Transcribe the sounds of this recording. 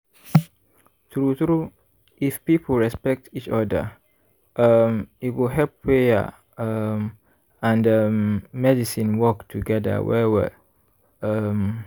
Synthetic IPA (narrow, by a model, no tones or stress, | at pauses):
tɹutɾu | ifpipʰəlɹɛspɛk̚tit͡ʃɔdə̰ | ʌmitwilɦɛlpːɹeə̰ | m | ãndəmɛdisĩnwɔktʰuɡɛdə̰wɛ̰wɛ̰ | ʌm